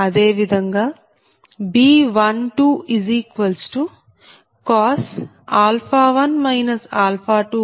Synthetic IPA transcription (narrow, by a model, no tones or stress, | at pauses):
ɐd̪eːʋid̪ʱɐŋɡaː | biːʋɐnʈuːiziːkʋɐlsʈu | kaːs | aːlfʰaːʋɐnmɐjnɐsaːlfʰaːʈuː